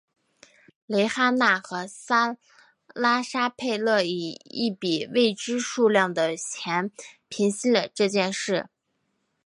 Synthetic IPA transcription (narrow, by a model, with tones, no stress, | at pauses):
le˧˥ɪxa˥na˥˩xɤ˧˥sa˥ | la˥ʂa˥pʰe˥˧ɪlɤ˥˩i˨˩ḭ˥˩pi˨˩we˥˩ɪʈ͡ʂɻ̩˥ʂu˥˧ljɑ˥˩ŋd̪ə˩t͡ɕʰjɛ˧˥npʰi˧˥nɕi˥lə˨˩ʈ͡ʂɤ˥˧t͡ɕjɛ˥˧nʂɻ̩˥˩